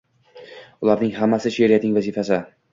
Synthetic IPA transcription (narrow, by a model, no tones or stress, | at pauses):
ʊlaɾnɪŋhamːasɪʃeɾijat̪nɪŋvazifasɪ